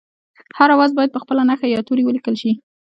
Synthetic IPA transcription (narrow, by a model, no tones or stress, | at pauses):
haɾawazbɑjad̪̚pəxpəlanaxajɑt̪uɾiwəlikəlʃi